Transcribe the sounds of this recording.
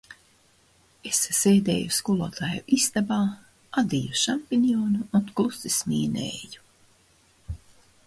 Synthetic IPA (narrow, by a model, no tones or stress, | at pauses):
esːeːd̪ḛːjuskulˠɔːt̪ʰaːjuʔist̪abaː | ad̪ijuʃampinioːnuːnklˠusismiːnḛːju̥